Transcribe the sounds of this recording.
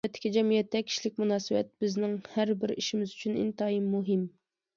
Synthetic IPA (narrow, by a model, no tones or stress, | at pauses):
ɛt̪ʰːɪ̥kʲid͡ʒɛmijɛt̪ːɛkʲʰi̥ʃlɪkʲmunɑːsɨbɛ̰t̪̚b̥ɪznɪŋhæɾbɪɾiʃimɪzyt͡ʃʰynḭnt̪ɑimːuɦɪm